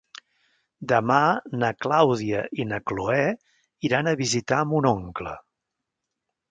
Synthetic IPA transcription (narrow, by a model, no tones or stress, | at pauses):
d̪əmanəklawðiəʔinəkloɛ | iɾanəβizit̪aəmunɔŋklə̰